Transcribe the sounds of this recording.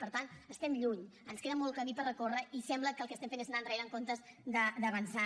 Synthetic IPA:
pəɾt̪ant̪əst̪ɛmʎuɲənskeðəmɔlˠk̪əmipərəkorəisɛmbləkəlˠkeəst̪ɛmfeneznandreɾəŋkont̪əzd̪əd̪əβənsa

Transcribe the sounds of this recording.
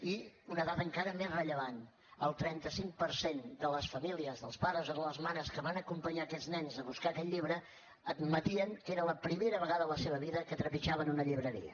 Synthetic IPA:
iunəðat̪əŋkaɾəmezrəʎəβan | əlˠt̪ɾɛnt̪əsiŋ̚pəɾsend̪ələsfəmiliəzðəlˠspaɾəzoðələzmanəskəβanəkumpəɲaːkɛd͡znɛnzəβuskakɛʎʎiβɾə | əd̪mət̪iəŋkeɾələpɾimeɾəβəɣaðələseβəβiðəkət̪ɾəpiʒaβənunəʎiβɾəɾḭə̰

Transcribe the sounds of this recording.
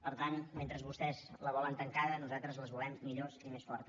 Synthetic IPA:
pəɾt̪anment̪ɾəzβust̪ɛzləβɔlənt̪əŋkaðənuzat̪ɾəzləzβulɛmːiʎozimesfɔɾt̪ə

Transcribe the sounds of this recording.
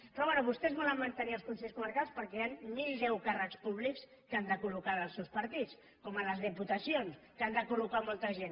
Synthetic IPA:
pɾɔβɛnuβust̪ɛzβɔləmːənt̪əniəlˠskunsɛʎskuməɾkalˠspəɾkɛjanmilðɛwkarəkspuβliks | kand̪əkulukanəlˠsɛwspəɾt̪it͡s | kɔmələzðəput̪əsionskand̪əkulukamɔlˠt̪əʒen

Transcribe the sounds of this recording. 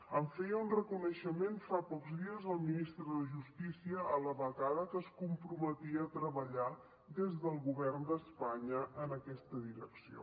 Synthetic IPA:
əɱfejəunrəkunəʃəmenfapɔkzðiəzəlˠminist̪ɾəðəʒust̪isiəʔːləβəɣaðəkəskumpɾumət̪iət̪ɾəβəʎa | d̪ezðəlˠɣuβɛrnd̪əspaɲəʔənəkɛst̪əðiɾəksio̰

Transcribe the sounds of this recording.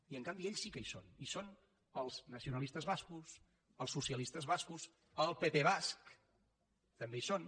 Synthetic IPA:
iəŋkambieʎsːikəisonison | əlˠznəsiunəlˠist̪əzβaskus | əlˠsusiəlist̪əzβaskus | əlˠpepeβ̞ask | t̪əmbeison

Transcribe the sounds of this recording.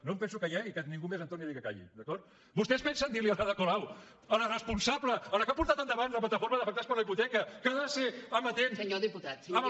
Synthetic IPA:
nompɛnsukəjaɣikənĩŋɡumezənt̪oniaðikəka̰ʎḭd̪əkɔɾt̪ | bust̪ɛspɛnsənd̪iɾliəlaðəkolaw | ələrəspunsabləələkapuɾt̪at̪ənd̪əβanləp̬lət̪əfoɾməðəfək̚t̪aspəɾləiput̪ɛkəkəðaseəmbət̪ensɲoðiput̪at̪ə

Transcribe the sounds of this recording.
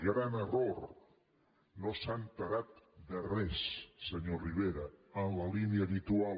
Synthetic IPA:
ɣɾanəroɾ | nosampəɣat̪d̪ərɛsːəɲoriβ̞eɾəənləliniəːβit̪ua

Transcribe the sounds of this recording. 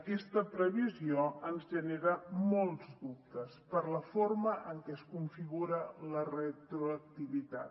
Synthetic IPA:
əkɛst̪əpɾəβ̞izioənzʒəneɾəmolˠzd̪up̚t̪əspəɾləforməʔəŋkɛəskuɱfiɣuɾələrət̪ɾuək̚t̪iβit̪a̰t̪

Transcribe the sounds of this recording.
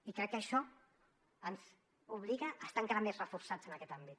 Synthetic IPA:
ikɾɛkːəʃɔ | ənz | uβliɣaʔːst̪aəŋkaɾamezrəfuɾsad͡zənakɛt̪ambit̪

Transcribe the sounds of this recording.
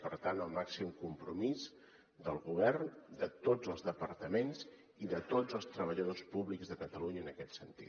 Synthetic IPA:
pəɾt̪anəlˠmaksimkumpɾumiz | d̪əlˠɣuβ̞ɛrnd̪ət̪od͡zəlˠzðəpəɾt̪əmenz | iðət̪od͡zəlˠst̪ɾəβəʎəðospuβlikzðəkət̪əluɲəːnəkɛt̪sənt̪ḭ

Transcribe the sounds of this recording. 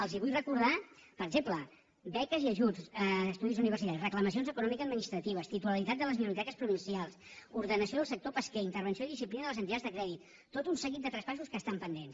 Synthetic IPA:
əlˠziβujrəkuɾðapəɾɡzemplə | bɛkəziəʒusːst̪uðizuniβ̞ərsit̪aɾisrəkləməsionzəkunɔmikəːd̪minist̪ɾət̪iβ̞əst̪it̪uləlit̪at̪̚ələzminuɾit̪ɛkəspɾuβinsialˠsuɾðənəsioðəlˠsək̚t̪opəskɛint̪əɾβənsioiðisiplinəðəlˠəzənt̪it̪ad͡zðəkɾɛðit̪ː | ot̪unsəɣit̪d̪ət̪ɾəspas̬uskəst̪ampənd̪ens

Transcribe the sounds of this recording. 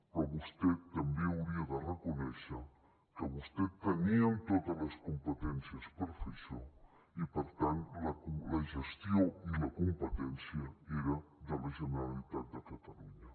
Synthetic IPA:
pɔβust̪ɛt̪ːɐmbeuwɾiaðərəkunɛʃə | kəβust̪ɛt̪ːəniant̪ot̪ələskumpət̪ɛnsiəspəɾfiso | ipəɾt̪ant̪laulɐʒəst̪joilɐkumpət̪ɛnsjəeɾad̪ələʒənəɾalit̪at̪̚d̪əkat̪aluɲɐ

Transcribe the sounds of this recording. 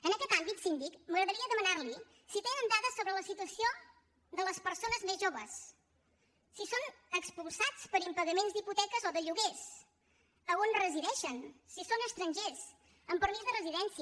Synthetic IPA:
ənəkɛt̪ambit̪sind̪ikməɣɾəðəɾiəðəmənaɾli | sit̪enənd̪aðəsoβɾələsit̪uəsio | d̪ələspəɾsonəzmezʒoβəs | isonəkspulˠsat͡spəɾimpəɣəmenzd̪iput̪ɛkəzɔðəʎuɣes | əonrəziðɛʃənsisonəst̪ɾəɲʲʒez | əmpəɾmizðərəziðɛnsi

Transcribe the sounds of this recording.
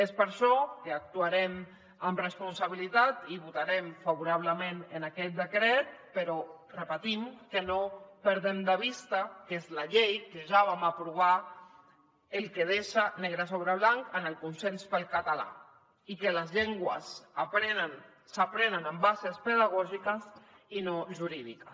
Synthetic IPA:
espəɾʃɔkeak̚t̪uaɾɛm | amrespunsaβ̞ilit̪at̪iβut̪aɾɛmfaβuɾaβ̞ləmẽnənakɛt̪̚d̪əkɾɛt̪̚pəɾɔ | rəpət̪imkənopəɾðemd̪əβ̞ist̪akezlaʎejkeʒaβamapɾuβ̞a | əlˠkeð̞eʃaneɣɾəs̬oβɾaβlaŋkənəlˠkunsenspəlˠkat̪ala̰ | ikələzʎeŋɡwəsapɾenən | sapɾenənəmbazespəð̞aɣɔʒikəsinoʒuɾiðikə

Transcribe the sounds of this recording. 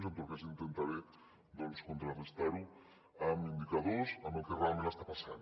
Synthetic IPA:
nzənt̪olkazint̪ent̪aβe | d̪ɔnskunt̪ɾarest̪aɾu | əmind̪ikɐðozəməlˠkerealˠmẽnaəst̪apasa̰n

